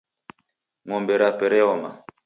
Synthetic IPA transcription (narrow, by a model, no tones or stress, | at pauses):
ŋɔmbɛɾapɛɾɛɔma